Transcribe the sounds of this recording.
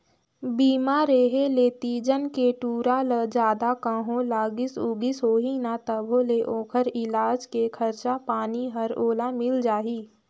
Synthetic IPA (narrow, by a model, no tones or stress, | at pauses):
biːmaːɾeːɦeleːt̪iːd͡ʒənkeʈuːɾaləd͡ʒaːd̪akə̃ɦõlaːɡɪsʊɡɪsɦoːɦinat̪əbʱoleʔoːkʰəɾɪlaːd͡ʒkekʰəɾt͡ʃapaːniɦɐɾoːlamɪld͡ʒaːɦiː